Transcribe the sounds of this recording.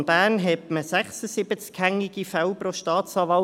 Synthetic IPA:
nb̥æːnɦɛtməsæχsəsibət͡skhæŋiɡifawpɾoʃtɑːt͡sɑːvɑ

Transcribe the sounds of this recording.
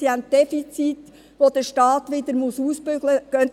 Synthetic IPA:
siænt̚d̥ɛfit͡sit | ʋod̥̪əʃtɑːtʋɪd̪əɾmusuːspøɡləɡ̥œn

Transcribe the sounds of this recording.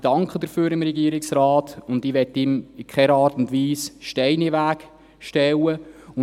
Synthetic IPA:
d̥ɑŋkχəd̥əɾfyːɾɪmɾɛɡiəɾɪksraːtʊndɪʋɛtːɪmɪkχɛɾɑːɾtʊndʋiːsʃtɛɪniʋæːk | ʃtɛwəʊ

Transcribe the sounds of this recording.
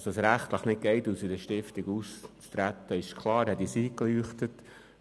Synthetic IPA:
səsɾæχt̪ləχnɪt̚ɡ̥ɛɪt̪usədəʃtɪft̪ɪɡust͡st̪ɾæt̪ːəɪʃkʰlˠɑːɾhɛtisiːklyəχt̪ət

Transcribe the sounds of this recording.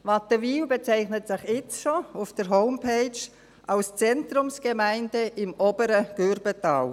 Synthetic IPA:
vɑtəviːwbet͡saɪχnətsɪχɪt͡sʃoafd̥əɾɦoʊmpʰeɪt͡ʃ | ʔalst͡sɛntrʊmsɡ̥emæɪndəʔɪmoːbəɾəɡ̥øɾbətɑw

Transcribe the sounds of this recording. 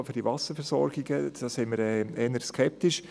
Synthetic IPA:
fyːɾd̥ivɑsəɾfɛɾsɔ̰ɾɡ̥ɪɡəd̥ɑsɪməɾɛɛnəɾskʰɛp̚t̪ɪʃ

